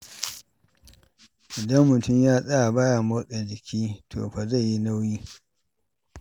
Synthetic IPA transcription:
ʔɪ˨dɐ˦mːʊ˨tʊ˦˨mjaː˦sʼa˦a˨baː˦ja˨ma˦ɗe˨d͡ʒɪ˨kʲʰiː˦tʰo̰ː˨ɸa˨za˦˨jːi˦na˦wjiː˦

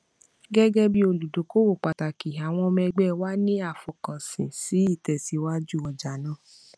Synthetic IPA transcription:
ɡɛ˦ɡɛ˦bi˦o˧˨lu˨do˨˦ko˦wo˦˨k͡pa˨ta˨ki˨a˨w̃ɔ̃˧mɛ˧ɡ͡bɛ˦˨wa˦nĩ˦a˦˨fɔ˨kɔ̃˨sĩ˨si˨˦i˦˨tɛ˨si˨wa˦d͡ʒu˦˨ɔ˨d͡ʒa˨nãː˦˨

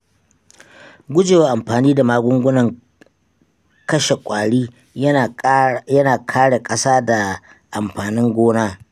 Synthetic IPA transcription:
ɡʷʊ˦d͡ʒeː˨waː˦ʔa˨mɸaː˨niː˦da˨maː˦ɡʷʊ˦ŋɡʷʊ˦nɐ˨ŋ | kɐ˦ʃe˨kʷʼaː˨ɽiː˦˨ | jɐ˦naː˨kʰaː˦ɽe˨kʼɐ˦saː˦da˨ | ʔa˨mɸaː˨nɪ˦ŋɡʷoː˦naː˦

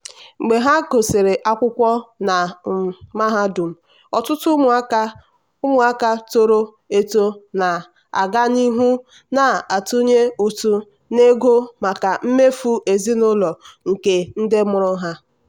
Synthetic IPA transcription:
ŋ͡m̩˨ɡ͡be˨ɦa˦ko˨se˨ɾe˨ʔa˦kʷʊ˦kʷɔ˦na˨ | ma˦ɦa˦du˨m̩˨ | ɔ˨tʊ˦tʊ˦m˨˦ | ʊ˦mʊ˨a˦ka˦to˦ɾo˦ | e˦to˦na˨ | a̰˨ɡa˦ni˦ɦu˦ | na˨a˨tu˦ɲe˦u˨tu˦ | ne˦ɡo˦ma˨ka˨m̩˦me˦fu˦ʔe˨zi˦nʊ˦lɔ˨ŋ̩˨ke˨n̩˦de˦mʊ˨ɾʊ˦ɦa˦

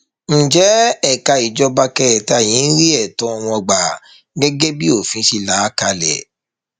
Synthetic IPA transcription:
n̩˨d͡ʒɛ˨˦ɛ˦˨ka˧i˨d͡ʒɔ˧ba˧kɛ˦˨ta˦˨j̃ĩ˨˦n̩˦ɾi˦ɛ˦˨tɔ̃˨˦ɔ˧w̃ɔ̃˧˨ɡ͡ba˨ | ɡɛ˦ɡe˦bi˦o˦˨fĩ˨˦ʃi˦la˨˦ka˧lɛ̰˨

